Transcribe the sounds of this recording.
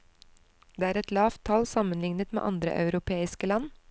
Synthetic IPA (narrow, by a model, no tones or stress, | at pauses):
d̪eːæːɾɛt̪lɑːft̪ʰːɑlsɑmənlɪŋnət̪mḛːʔɑnd̪ɾə̰ʔɑ̰ʉɾʊpʰeːɪskəlɑn